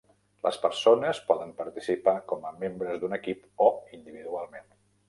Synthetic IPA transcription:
lʔə̰spəɾsonəspɔðəmpəɾt̪isipakɔməmembɾəzd̪unəkipoind̪iβiðualˠmen

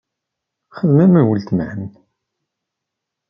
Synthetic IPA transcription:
χəðmæmæwəlt̪mʕəm

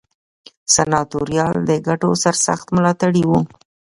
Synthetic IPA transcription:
sanɑt̪oɾjɑld̪əɡaʈosaɾsa̰xt̪mlɑt̪aɽiwu

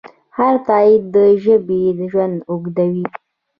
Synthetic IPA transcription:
haɾt̪ɑid̪d̪əʒəbed̪əʒwand̪ʊɡd̪awi

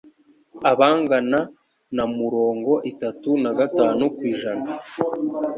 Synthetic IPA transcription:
aβaːŋɡana | namuɾo̞ːŋɡo̞ʔitatunaɡataːnukwiːʒana

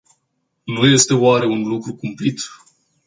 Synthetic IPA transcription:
nuje̞st̪e̞oaɾe̞unlukɾukumplit̪

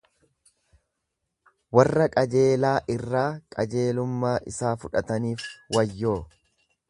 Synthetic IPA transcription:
wɐrːɐkʼɐd͡ʒe̞ːlaːʔɪrːaːkʼɐd͡ʒe̞ːlʊmːaːʔɪsaːfʊᶑɐt̪ɐniːfwɐjːo̞ː

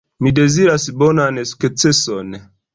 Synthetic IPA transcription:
mide̞ziɾasbonansu̥kt͡seson

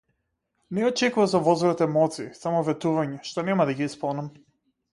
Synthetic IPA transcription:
nɛɔt͡ʃɛkuvazɔvɔzvɾɔt̪ɛmɔt̪siːsamɔvɛt̪uvaɲɛʃt̪ɔnɛmad̪aɡiispɔnam

